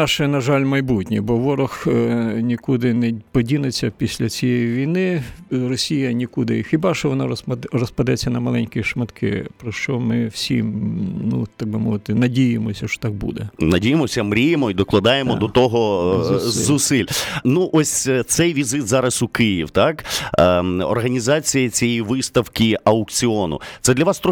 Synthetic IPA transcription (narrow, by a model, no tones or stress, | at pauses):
nɑʃɛnɐʒɑlʲmɐjbutʲnʲibɔʋɔɾʊxnʲikud̪ɪnɛpɔdʲinet͡sʲːɐpʲisʲlʲɐt͡sʲijɛjiʋʲijnɪrɔsʲijɐnʲikud̪ɪ̰xɪbɑʃɔʋɔnɑrɔspɐd̪ɛt͡sʲːɐnɐmɐlˠɛnʲkiʃmɐt̪kʰɪ̰pɾɔʃt͡ʃɔmɪwsʲḭmnṵt̪ɑɡ̚bɪmɔʋɪt̪ɪnɐdʲijɪmɔsʲɐʃɔ̥t̪ɑk̚bṵd̪ɛnɐdʲijemɔsʲɐmɾʲijemɔid̪ɔklˠɐd̪ɑjemɔd̪ɔt̪ɔɦɔ | zʊsɪlʲnuʔɔsʲt̪sɛjʋʲizɪt̪zɑɾɐsukɪjiwt̪ɑk | ɔ̰rɦɐnʲizɑt͡sʲijɐt͡sʲiɛjiʋɪst̪ɐwkʲiʔɐʊkt͡sʲiɔnʊ̰ɛd̪lʲɐʋɑst̪ɾɔ